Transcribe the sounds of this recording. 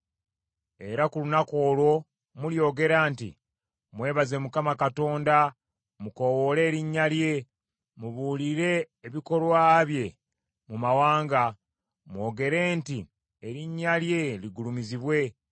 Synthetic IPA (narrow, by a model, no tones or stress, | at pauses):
e̞ɾakulunako̞ːlwo̞ | muljo̞ːɡe̞ɾaːntḭ | mwe̞ːβaze̞mukamakato̞ːnda | muko̞wo̞le̞ːɾiɲːalje̞ | muβuliɾe̞ː | βiko̞lwaːβje̞ | mumawaːŋɡa | mwo̞ːɡe̞ɾe̞ːnti | eɾiɲːalje̞liɡulumiziβwe̞